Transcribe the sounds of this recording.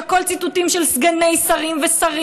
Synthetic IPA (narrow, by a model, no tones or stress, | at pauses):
ko̞lt͡sit̪ut̪imʃelsɡanejsaʁimvesaʁ